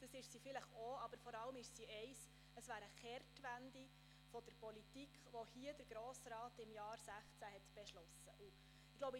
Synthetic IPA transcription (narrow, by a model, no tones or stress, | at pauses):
d̥ɑsɪʃsifɪləχoɑb̥əɾfɔɾɑləmɪʃsiɛɪs | əsʋæːɾəχɛrtʋændi | fɔd̥əɾpɔlitikχʋɔhiəd̥əɾɡɾɔːsɾɑːtɪmjɑːɾsæχt͡sæhɛt̪b̥ɛʃlɔsəʔu | ɪɡloʊbə